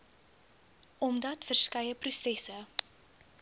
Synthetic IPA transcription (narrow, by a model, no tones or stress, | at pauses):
ɔmdɐtfərskɛjəprusɛsə